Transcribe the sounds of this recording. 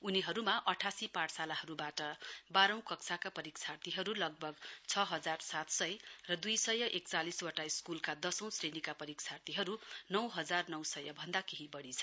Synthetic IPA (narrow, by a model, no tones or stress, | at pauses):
uniɦʌɾumaʔʌʈʰasipaʈʰsalahʌɾubaʈʌbaɾʌ̃w̃kʌksʰakapʌɾikt͡sʰart̪iɦʌɾulʌɡ̚bʱʌɡt͡sʰʌɦʌd͡zarsat̪sʌjrʌd̪ujsʌjʌʔek̚t͡saliswaʈaiskulkad̪ʌsʌ̃w̃srenikapʌɾikt͡sʰart̪iɦʌɾunʌwɦʌd͡zarnʌw̃sʌjʌbʱʌnd̪akeɦibʌɽit͡sʰʌ